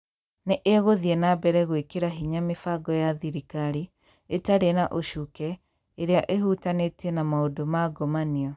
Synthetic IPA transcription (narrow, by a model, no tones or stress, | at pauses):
neʔeɣoðiɛnabɛɾɛɣwekeɾaɦiɲamefaɡɔjaðiɾikaɾi | etaɾenaʔoʃukɛ | eɾeaʔeɦutanetiɛnamaodomaɡɔmaniɔ